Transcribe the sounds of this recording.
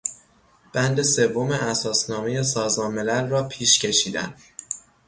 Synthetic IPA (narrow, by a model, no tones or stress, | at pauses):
b̥ænd̪e̞se̞vːo̞meʔæsɒːsnɒːme̞je̞s̬ɒːzmɒːnme̞lælrɒːpʰiːʃcʰe̞ʃiːd̪æ̰nd̪